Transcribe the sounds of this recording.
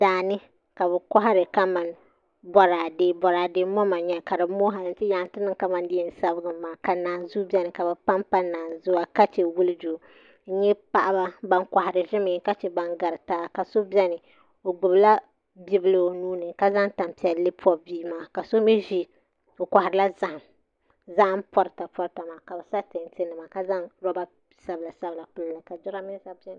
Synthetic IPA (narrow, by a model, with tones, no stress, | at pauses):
d̥aː˨nɨ˦ | ka˨bɛ˨ka˦ɦa˦ɾɨ˨ka˦ma˨n | bɔ˨ɾaː˨deː˦bɔ˨ɾaː˨deː˦mɔ˦ma˨ɲɛ˦ka˨ɾɨ˨˦moː˦ɦa˨nɨ˨ntɪ˦ja˨n˦tɪ˦nɨ˦ŋka˨mã˨ndɪ˦ɛ˦˨n˨˦sa˦bɨ˦ɡɨː˨˦aː˨ka˨naː˨zʊ˦bʲɛ˦nɨ˨ka˨bɛ˨pa˦mpa˦naː˨zʊ˦a˦ka˦t͡ʃɛ˨wu˦lɨ˦d͡ʒu˨˦ | ɲɛ˦pa˦ʔa˦ba˦ba˦ŋkʷa˨ha˨ɾɨ˨ʒɪ˦mɪ˨˦ka˦t͡ʃɛ˨ba˨ŋɡa˨ɾtaː˦˨ka˨so˦bɛ˦nɨ˨ | o˨ɡʊ˨bla˦ | bi˦bɨ˦lɨ˨o˨nuː˦nɨ˨ka˦za˦ŋta˨mpi˨˦ɛ˨llɨ˦pʰɔ˦biː˦maː˨ka˨so˦mɛ˦ʒi˦ | o˨ka˨ha˨ɾɨ˨la˦za˨ʔm | za˦ʔm̩˦pɔ˦ɾɨ˨ta˨pɔ˦ɾta˨maː˨ka˨bɛ˨sa˦tɨ˨n˦tɪ˦nɨ˨maː˨ka˦za˦ŋɾɔ˦ba˦ | sa˦bla˨sa˦bɨ˨la˨pu˦lla˨ka˨dʊ˦ɾa˦mi˦za˦bɛ˦n˨